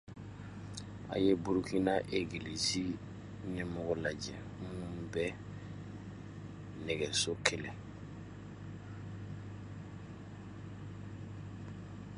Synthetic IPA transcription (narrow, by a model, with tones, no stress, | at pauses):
a̰˨je˦bu˦ɾuki˦na˦ʔe˨ɡili˨zi˦ | nɛ˦mɔɡɔ˦la˨d͡ʒɛ˨ | mũ˦bɛ˦ | nɛ˨ɡɛ˨so˦kʰɛ˦lẽ˨